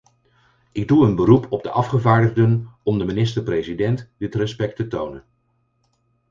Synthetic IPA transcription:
ɪɡ̚duənbərupʰɔb̚dəʔɑfχəvaːɹdəʁdənɔmdəminɪstəɹprejzidɛntdɪtrɛspɛk̚tətownən

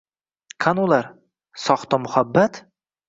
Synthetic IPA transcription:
kʰanʊlˠaɾ | sɒχt̪ɒmʊhabːat̪

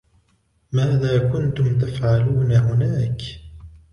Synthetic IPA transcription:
maːðaːkʊnt̪ʊmt̪afʕaluːnaɦʊnaːk

